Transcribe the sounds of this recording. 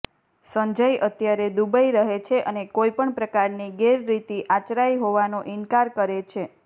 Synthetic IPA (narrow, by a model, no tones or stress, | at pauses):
səɲd͡ʒəjʔət̪jaɾed̪ubaiɾəɦet͡ʃʰeʔənekojpəɳpɾəkaɾniɡeɾːit̪iʔat͡ʃɾajɦoʋanõʔɪnkaɾkəɾet͡ʃʰe